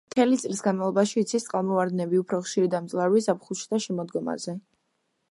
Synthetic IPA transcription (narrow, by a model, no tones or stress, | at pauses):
mt̪ʰɛlit̪sʼlisɡanmalˠɔbaʃiːt̪sʰist̪ʼqʼalˠmɔvaɾd̪nɛbiupʰɾɔχʃiɾid̪amt̪sʼlˠaɾvisapχuʃi̥t̪ʰaʃɛmɔd̪ɡɔma̰zɛ